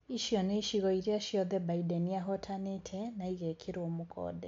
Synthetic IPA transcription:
iʃiɔnɛiʃiɣɔiɾiaʃiɔðɛbaidɛniaɦɔtʰanetʰɛnaiɣɛkʰiɾoomukʰɔ̰dɛ

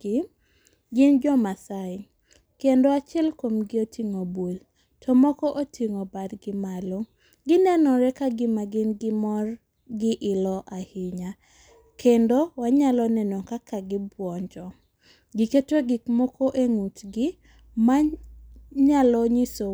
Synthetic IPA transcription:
ɪ | ɡɪnd͡ʒɔmasaɪ | kendoat͡ʃɛlkwomɡɪotʰiŋobol | tʰɔmɔkɔʔotʰiŋobadɡɪmalo | ɡɪnɛnɔɾɛkaɡɪmaɡɪnɡɪmɔr | ɡɪʔɪlɔʔahɪɲa | kʰendowaɲalɔnɛnokakaɡɪbwɔɲd͡ʒɔ | ɡɪketoɡikmɔkoʔeŋutɡɪ | ma | ɲalɔɲiso

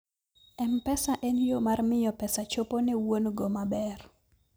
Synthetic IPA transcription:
ɛmpɛsaʔɛnjomarmɪjɔpɛsat͡ʃoponɛwonɡomabɛr

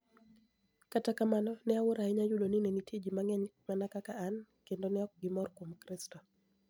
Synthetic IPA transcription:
katakamanɔnɛawʊɾaɛɲajʊdoninenitid͡ʒimaŋɛɲmanakakaːnkendonɛɔk̚ɡɪmɔrkwomkɾɪstɔ

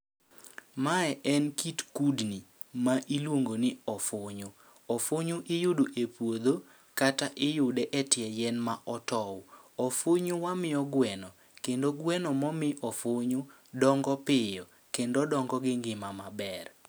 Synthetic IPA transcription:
maɛʔɛnkitkudni | maʔilwoŋɡonɪɔfʊɲʊ | ɔfoɲʊʔɪjʊdoʔepwod̪o | kataʔɪjʊdɛʔɛtɪɛjɛnmaʔɔtɔw | ɔfoɲʊwamɪɔɡwɛnɔ | kendoɡwɛnɔmɔmɪʔɔfʊɲʊ | dɔŋɡɔpɪjɔ | kendodɔŋɡɔɡɪŋɡɪmamabɛr

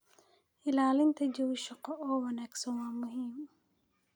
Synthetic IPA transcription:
ʔɪlaːlɪnt̪ʰɐd͡ʒɔwʃɐqɔʔɔːwɐnaːɡsɐnwaːmʊɦiːm

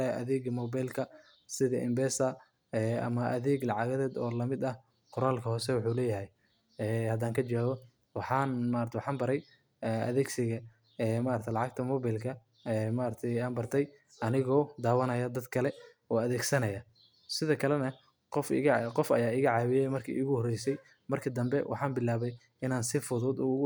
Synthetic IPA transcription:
ʔɐ̰ðɛːɡmɔːbajlkʰɐ | sɪðɐʔɪ̰mbɛːsɐ | ɛːɐ̰mɐʔɐðɛːɡlɑʕɑɣɐðɛːd̪ɔ̰ːlɐmɪd̪ɐh | qʊɾaːlkʰɐhɔːsɛwʊħuːlɛːjɐɦɛj | ɛːhɐd̪aːŋkʰɐd͡ʒaːɣɔ | wɑħɑːnmaːɾɐt̪ʰɛwħɑːmbɐɾɛj | ɛʔɐ̰ðɛːɡsɪɣɐ | ɛːmaːɾt̪ʰɛjlɑʕɑɡ̚t̪ʰɐmɔːβajlkʰɐ | ɛːmaːɾɐt̪ʰɛjaːnbɐrt̪ʰɛj | ɐnɪɣɔːd̪aːwɐnɐjɐd̪ɐd̪kʰɐlɛ | ɔːɐðɛːɡsɐnɐjɐ | sɪðɐkʰɐlɛnɐ | qɔfqɔfɐjaːɪɣɐʕaːβɪjɛjmɐrkʰḭːʔɪɣʊhɔrɛjsɛj | mɐrkʰɐd̪ɐmbɛwʔɑ̰ħɑːnbɪlːaːβɛj | ɪnaːnsɪfʊðʊd̪ɔɣ

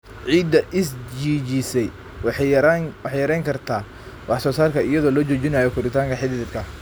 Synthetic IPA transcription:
ʕiːd̪ɐʔɪsd͡ʒiːt͡ʃisɛj | w | wɑħjɐɾɛjŋkʰɐrt̪ʰaː | wɑħsɔːsaːlkʰɐɪjɐðɔːlɔːt͡ʃɔːt͡ʃɪnɐjɔkʰʊɾɪt̪ʰaːŋkʰɐħɪðɪðɪd̪kʰɐ

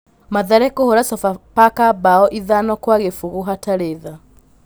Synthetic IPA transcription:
maðaɾɛkohoɾasɔfapakabaɔʔiðanɔkwaɣefuɣuɦataɾeða

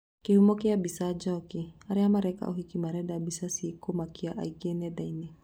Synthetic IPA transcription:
kehumɔkɪabisad͡ʒɔkɪaɾɛamaɾɛka̰ʔoɦikimaɾɛdabisasiekomakɪaʔa̰ikenɛdainɛ

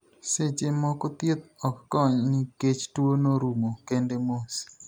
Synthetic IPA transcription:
set͡ʃemɔkɔt̪jet̪̚ɔkːɔɲnɪket͡ʃtwonoɾumokendemos

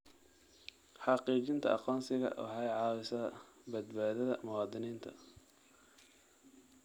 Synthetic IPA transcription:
ħɑqiːt͡ʃɪnt̪ʰɐʔɑqɔːnsɪɣɐ̰ʔhɛjʕɑːwɪsɐðbɐd̪baːðɐðɐmʊwɑːd̪ɪniːnt̪ʰɐ

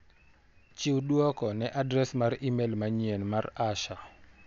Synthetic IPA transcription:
t͡ʃɪwdwɔkɔnɛʔadɾɛsmaɾimelmaɲɛnmaraʃa

